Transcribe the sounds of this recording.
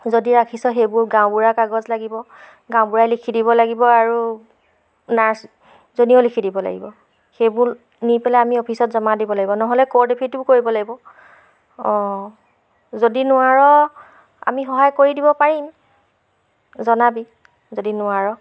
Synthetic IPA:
zodiɹakʰisɔxejbʊɹɡãʊ̃buɹakaɡɔzlaɡibɔ | ɡãʊ̃buɹajlikʰidibɔlaɡibɔaɹu | naɹs | zoniolikʰidibɔla̰ɡḭbɔ | xejbʊɹ | nipɛlɛamiopʰisɔtzɔmadibɔlaɡibɔnɔɦɔlɛkɔɹdepʰituɹkoɹibɔlaɡibɔ | ɔ̃ | zodinʊaɹɔ | a̰mixɔɦajkoɹidibɔpaɹim | zɔnabi | zodinʊaɹɔ

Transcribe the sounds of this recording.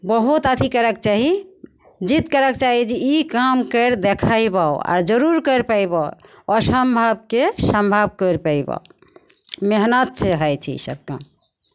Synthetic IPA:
bəɦut̪ad̪ʰʱikəɾək̚t͡ʃaɦi | d͡ʒit̪kəɾəkt͡ʃaɦid͡ʒeikamkəɾd̪ekʰajbaoa̰ɾd͡ʒəɾuɾkəɾpəjbao | ɔsəmbʱab̚kesəmbʱab̚kəɾpəjba̰ | meɦnət̪̚t͡ʃeɦəjt͡ʃʰɛ̰ḭsə̰b̚ka̰m

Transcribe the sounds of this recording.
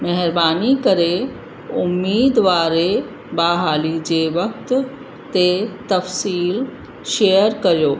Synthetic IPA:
mɐɦɪɾbaːnikɐɾe | ʊmːiːd̪ʋaːɾe | baːɦaːlid͡ʑeːʋɐk̚t̪ | t̪et̪ɐfsiːl | ʃejəɾkɐɾijoː

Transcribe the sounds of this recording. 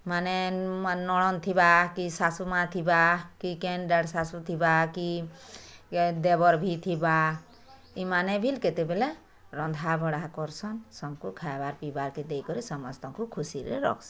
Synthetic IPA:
manenɔɽɔnt̪ʰibakisasumat̪ʰibakikenɖaɽsasut̪ʰibaki | d̪ebɔɾbʱit̪ʰiba | imanebʱilket̪ebele | ɾɔnd̪ʱabʱɔɽakɔɾsɔnsɔmkukʰajbaɾpibaɾkid̪ejkɔɾisɔmɔst̪ɔŋkukʰusiɾḛɾɔ̰kʰsɔ̥

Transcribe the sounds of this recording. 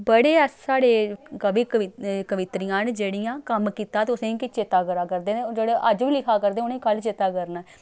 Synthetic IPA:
bəɽeːsaːɽeːkəʋiːkəkəʋɪt̪ɾijãːnd͡ʒeːɽijãːkəmkiːt̪aːt̪eːʊsẽːkɪt͡ʃeːt̪aːkəɾaːkəɾd̪eːnːd͡ʒeːɽeːʔəd͡ʒʋiːlɪkʰaːkəɾd̪eːʊnẽːkəlt͡ʃeːt̪aːkəɾnaː

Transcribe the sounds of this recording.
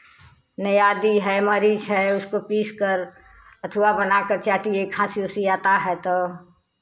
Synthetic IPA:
nəjaːd̪iɦɛməɾid͡ʒɦɛʊskopiːskəɾ | ət̪ʰəwabənakəɾt͡ʃaːʈiekʰasiosijaːt̪aɦɛt̪ɔ

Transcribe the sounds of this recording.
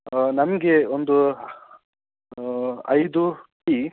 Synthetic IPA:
nɐmɐɡe̞ond̪u | ɐ̰jd̪uʈi

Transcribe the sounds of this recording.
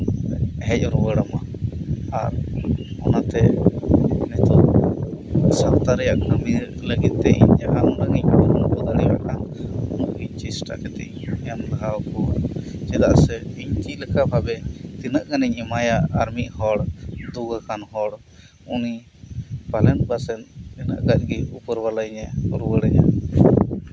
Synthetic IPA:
ɦɛc̚ɾuwəɽəma | aɾɔnat̪ɛ | nɛt̪ɔ | sap̚t̪aɾɛjaʔkʰəmiɾləɡid̪̚t̪ɛʔḭɲd͡ʒaɦaʔɔnaŋiɲnɔnbɔd̪aɽiwa̰ʔkanɔnɔʔkit͡ʃisʈakɛt̪ɛ̰ʔɛmd̪əɦakɔd͡ʒɛd̪aʔsɛiɲkiləkabʱabɛt̪inəʔɡanɛɲimajaːɾmiʔhɔɽd̪uɡakanhɔɽ | uni | palɛnbasɛnt̪ɛnə̰ʔɡac̚ɡɛupəɾbalajɲɛɾuwəɽɛja̰

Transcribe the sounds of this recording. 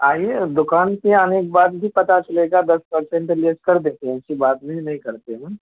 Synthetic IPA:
aːieːd̪ʊkaːnkiɐneːk̚baːt̪̚bʱipɐt̪at͡ʃɐleːɡad̪ɐspɐɾsẽɳʈɪleːskɐɾd̪ẽːk̪ẽt͡ʃʰibaːt̪bʱẽinɐɦĩkɐɾt̪eɦũː

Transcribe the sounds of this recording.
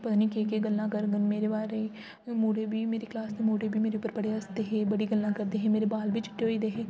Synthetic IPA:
pət̪aːniːkeːkeɡəlːãːkəɾɡənmeːɾebaːɾe | moːɽeːbʱiːmeːɾeklaːsd̪emoːɽebʱiːmeːɾeʊpːəɾpəɽeəsd̪eɦẽbəɽiɡəlnãːkəɾd̪eːɦɛ̃ːmeːɾebaːlbʱiːt͡ʃɪ̥ʈːeɦoːiːd̪eɦẽː

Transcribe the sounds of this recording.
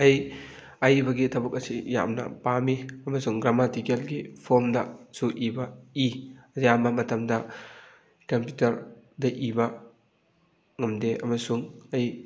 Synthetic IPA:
ɐj | ɐjbɐɡitʰɐbuk̚ɐsija̰mnɐ̰pamiɐmɐsuŋɡɾamatikelɡipʰoɾmdɐsuʔibɐiɐzjamɐmɐtɐmdɐ | kɐmpjutɐɾdɐʔibɐ | ŋɐmdeɐmɐsuŋɐj

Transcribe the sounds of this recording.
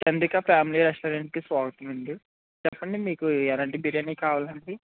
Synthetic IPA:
t͡ʃɐnd̪ɾikɐpjaːmiliɾesʈoːɾeɳʈ̚kisʋaːɡɐt̪unund̪i | t͡ʃɛpːɐɳɖimiːkuɛlaːɳʈibiɾjɐnikaːʋaːlɐɳɖi

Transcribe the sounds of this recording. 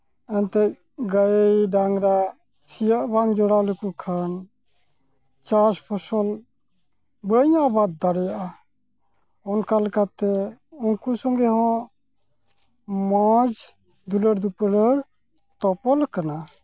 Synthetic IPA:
ɛnt̪ɛc̚ | ɡajejɖaŋɾa | sijaʔbaŋd͡ʒɔɽalukukʰan | t͡ʃaspʰɔsɔl | bəɲabad̪̚ːaɽɛjaʔa | ɔnkalkat̪ɛuŋkusɔŋɡɛɦɔ̃ʔ | mad͡ʒ | d̪uləɾd̪upəɽəɽ | t̪ɔpɔlkana

